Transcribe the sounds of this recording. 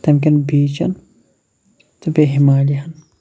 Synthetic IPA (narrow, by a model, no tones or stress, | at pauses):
t̪ɐmk̬ʲinbiːt͡ʃɐ̰n | t̪ubeɦimaːliɦɐn